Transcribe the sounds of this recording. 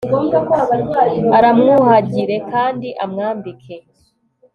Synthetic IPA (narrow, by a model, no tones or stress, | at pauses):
ɡomɡakwoaβaɾɡwaaɾamŋuhaɟiɾe̞kaːndiʔamŋaːmbikʰe̞